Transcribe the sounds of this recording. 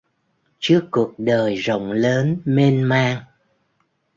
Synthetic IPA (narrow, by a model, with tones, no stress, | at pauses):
t͡ɕɨ˦˥əkːu˨˩ək̚ɗəː˨˩jzo̰˧˨wŋ͡mləː˨˦nme˧nmaː˧ŋ